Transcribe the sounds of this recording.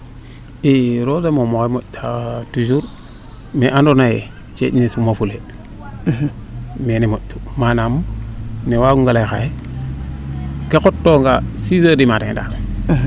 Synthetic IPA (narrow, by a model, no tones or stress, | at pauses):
iɾozemomokemoʔtʰatud͡ʒuɾ | meʔandonajḛ | t͡ʃḛʔnesumafule | menemoʔtu̥manamnewaɡuŋɡalajxa̰je | kekotːoŋɡasizədimaɾeŋda̰n